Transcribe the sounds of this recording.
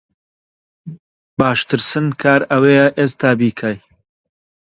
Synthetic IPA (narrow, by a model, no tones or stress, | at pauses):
baːʃt̪ʰɨɾsɨnkʰaːɾɐweːjɐʔeːst̪aːbiːkʰaːj